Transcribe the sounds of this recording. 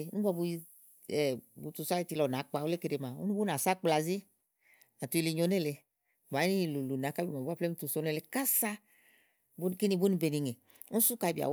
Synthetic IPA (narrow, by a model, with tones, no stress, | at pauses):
nũ˦ba˧bu˧i˧ | ɛ˨bu˧tu˧sa˦i˧ti˧lɔ˨n˨a˨˦k͡pa˧wo˦le˦ke˧ɾe˧˨ma˨ṵ˦nũ˦bu˦n˨a˨sa˦k͡pla˧˨zi˦ | na˨tu˧i˧li˧ɲo˧˦ne˦le˧˨ | ba˨˦i˦˨lu˨lu˨n˨a˨˦ka˦bi˧˨m˨a˨bu˦a˦ple˦mu˦tu˧so˧˦ne˦˧le˧ka˦sa˦ | bu˦n˧ki˦ni˧bu˦ni˧be˧ni˨˧ŋe˨ | u˦su˦ka˧i˧bi˨a̰˨